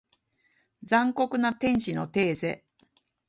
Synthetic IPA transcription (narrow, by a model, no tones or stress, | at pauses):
d͡zãŋko̞kɯ̟nat̪ẽ̞ɰ̃ɕino̞t̪e̞ːze̞̰